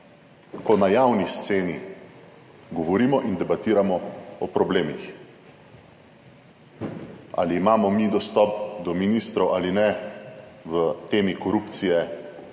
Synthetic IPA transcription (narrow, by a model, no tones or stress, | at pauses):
kɔnajawnist̪seːni | ɡɔʋɔɾiːmɔʔind̪ɛbat̪iːɾamɔɔpɾɔbleːmḭx | a̰liːmaːmɔmid̪ɔst̪ɔpd̪ɔminist̪ɾɔwʔalinɛ | ʋət̪eːmikɔɾupt̪sijɛ